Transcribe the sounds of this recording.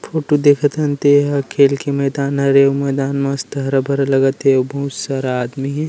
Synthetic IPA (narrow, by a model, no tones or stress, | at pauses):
fʰoːʈod̪eːkʰət̪ɦɐnt̪eɦɐkʰeːlkemɛːd̪aːnɦɐɾeomɛːd̪aːnmɐ̃st̪ɐɦɾɐbʱɐɾlɐɡət̪eobɐɦʊt̪saɾaːd̪miɦɛ